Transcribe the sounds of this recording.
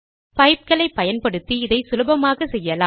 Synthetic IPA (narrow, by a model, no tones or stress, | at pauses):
pɐɪp̚kɐɭɐɪpːɐjɐnpɐɽɯt̪ːiɪðɐɪsʊlɯbɐmaːɣɐsɛjːɐlaː